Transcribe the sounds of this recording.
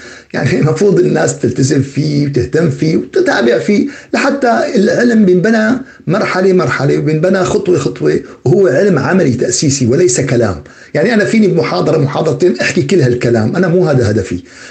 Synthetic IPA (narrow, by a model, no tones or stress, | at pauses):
ja̰ʕnimɑfɾuːd̪ˤɪnːaːst̪ɪlt̪azɪmfiːwt̪ɪht̪amːfiːwt̪ɪt̪aːbɪʕfiːlaħat̪ːaɪlʕɪlmbjɪnbana | mɑɾˤħalemɑɾˤħalewbɪnbanaxɑt̪ˤwexɑt̪ˤwewhʊwːeʕɪlmʕamalit̪aʔsiːsiwɪlajsakala̰ːm | jaʕniʔanafiːnibmʊħɑːd̪ˤɑɾˤɑmʊħɑːd̪ˤɑɾˤɑt̪eːnʔaħkikɪlːhalkala̰ːmʔanamuːɦaːd̪aɦad̪afḭ